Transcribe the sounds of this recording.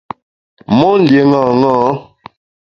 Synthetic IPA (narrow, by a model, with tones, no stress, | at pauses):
mɔ˦n̩˨dje˨ŋa˦˨ŋaː˦